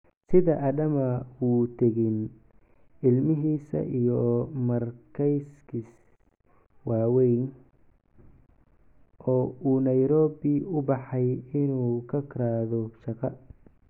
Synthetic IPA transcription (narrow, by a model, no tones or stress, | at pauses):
sɪðɐʔɐd̪ɐmɐwuːt̪ʰɛɣɪn | ɪlmɪɦiːsɐ̰ʔijɔmɐrkʰɛjskʰis | wɑːwɛjn | ʔɔːuːnɐjɾɔːbɪʊbɑħɑjɪnuːkʰɐkʰɾaːðɔʃɐqɑ